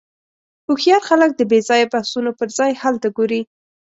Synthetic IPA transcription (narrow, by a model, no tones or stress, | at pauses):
uxjɑɾxalək̚d̪əbezɑjabahsunopəɾzɑjhalt̪aɡoɾi